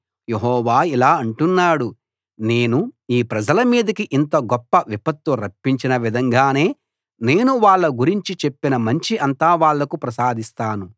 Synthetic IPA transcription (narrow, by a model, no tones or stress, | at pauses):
je̞ɦɔːʋaːilaːɐɳʈunːaːɽu | ne̞ːnuiːpɾɐd͡ʒɐlɐmiːd̪ɐkiʔint̪ɐɡɔpːɐʋipɐt̪ːuɾɐpːiɲt͡ʃinɐʋid̪ʱɐŋɡaːne̞ː | ne̞ːnuʋaːɭːɐɡuɾiɲt͡ʃit͡ʃe̞pːinɐmɐɲt͡ʃiʔɐnt̪aːʋaːɭːɐkupɾɐsaːd̪ʱist̪aːnu